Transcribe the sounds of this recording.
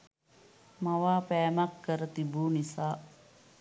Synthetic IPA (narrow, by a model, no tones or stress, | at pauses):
maʋaːpɛːmakːəɾət̪ibuːnisa